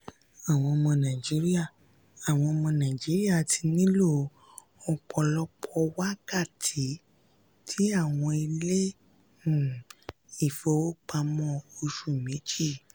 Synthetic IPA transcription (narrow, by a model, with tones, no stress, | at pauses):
a˨w̃ɔ̃˧ɔ˧mɔ̃˧nã˨d͡ʒi˨˦ɾi˦a˦˨ | a˨w̃ɔ̃˧ɔ˧mɔ̃˧nã˨d͡ʒi˨˦ɾi˦a˦˨ti˧nĩ˦lo˦˨ | ɔ˧k͡pʰɔ˧lɔ˦k͡pʰɔ˧wa˦ka˦˨tʰi˨˦ | tʰi˦a˦˨w̃ɔ̃˧i˧lẽ˦˨ | i˦˨fo˧˦o˦k͡pa˧mɔ̃˦o˧ʃu˦˨mĩ˨˦d͡ʒi˦˨